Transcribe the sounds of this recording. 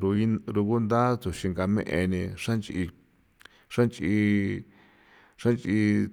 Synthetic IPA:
ɾu˧i˦ɾu˧ku˦nd̪a˦t̪u˨ʃi˧ŋɡa˧mḛ̃˦ʔḛ˧nĩ˧ʂã˦nt͡ʃi˧ | ʂa˦nt͡ʃi˧ | ʂa˦nt͡ʃi˧

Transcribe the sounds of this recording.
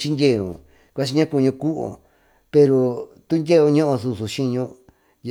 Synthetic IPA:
t͡ʃi˦ndʲe˦˨ṵ̃˨ | kʷa˦t͡ʃi˧ɲã˦ku˧ɲũ˧ku˦ʔo̰˨ | pe˧ɾo˧t̪u˦ndʲe˦˧o˧ɲõ˦ʔõ˧su˧su˨ʃĩ˦˧ɲõ˧˦

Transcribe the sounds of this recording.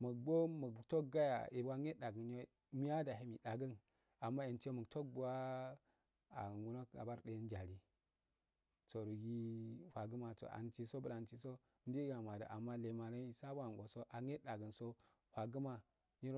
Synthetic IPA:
mu˨bo˦mu˨to˦k̚ɡa˦ja̰˨i˨ba˦ŋe˦da˨ɡə˨n˦o˦ | mi˦a˦da˨ɦi˦mi˨ɗa˨ɡə˦n | a˨mːa˦e˨nto˦mu˨kto˦k̚bu˨wa˦ | a̰˨ŋu˦no˦ka̰˨ba˦ɾɗe˦n˦d͡ʒa˨li˦ | t͡so˨ɾu˨ɡi˦ɸʷa˨ɡə˦ma˨to̰˨ʔa̰˨nt͡ʃi˦so˦bu˦la˨nt͡ʃi˨so˦ | n˦di˦ɡa˨ma˨da̰˨ʔa˨mːa˦le˨ma˨ɾa˦i˨sa˦ba˨ŋ˨ɡo˨so˦ʔa˨ɲe˦da˨ɡə˨nso˦ | ɸʷa˨ɡu˦ma˨ | ji˦ɾ

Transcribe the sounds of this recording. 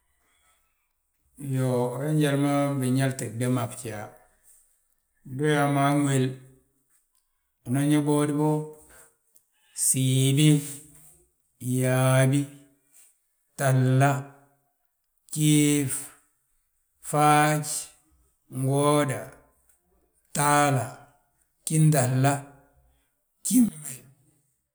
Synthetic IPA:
jo˨ɾe˦ɲd͡ʒa˨ɾma˦bi˨ɲa˦lti˨de˦ma˨pt͡ʃi˨a˨ | do˦ja˨ma˦ŋʷ˦e˨l | u˨na˦ɲe˦bo˦di˦bo˦ | si˨bi˦ | ja˨bi˦ | ta˨lːa˦ | t͡ʃi˦f | fat͡ʃ | ŋɡo˦da˨ | ta˦la˨ | ki˦nta˨lːa˦ | ki˦ne˨

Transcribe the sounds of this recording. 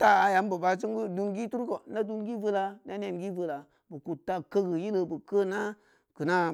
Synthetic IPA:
ta˦a˨ja˨˦mbə˨ba˨t͡ʃu˦ŋ˦ɡu˦du˧nɡi˦tu˦ɾko˨na˦du˦nɡi˦və˦la˧n˦a˦n˦e˦˨mɡi˦və˧la˨ | bə˨ku˨tːa˦kə˦ɡə˨ji˦lə˨bə˨kə˦˨na˦ | kɨ˨na˦

